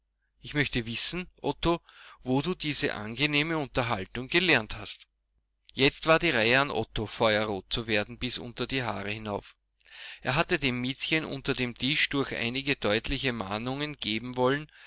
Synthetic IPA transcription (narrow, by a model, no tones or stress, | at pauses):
ʔɪçmœçtəvɪsn̩ʔɔtovoːduːdiːzə̰ʔa̰nɡeneːməʊ̃ntɐɦaltʊŋɡəlɛɐnthast | jɛt͡stv̥aːɐdiːʁaɪəanʔɔ̰tofɔʏɐʁoːt̚t͡suveːɐdn̩b̥ɪsʔʊ̰ntɐdiːɦa̰ːʁəhɪnaʊf | ʔeːɐɦatədeːmːɪt͡sçənʔʊ̰̃ntɐdeːmd̥ɪʃd̥ʊɐçʔa̰ɪnɪɡəd̥ɔʏtlɪçəma̰ːnʊŋənɡ̥eːbm̩vɔlən